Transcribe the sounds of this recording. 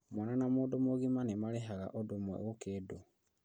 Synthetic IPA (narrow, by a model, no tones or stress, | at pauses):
mwananamoːdomoɣimanemaleɦaɣa̰ʔodomwɛ̰ɣokeːdo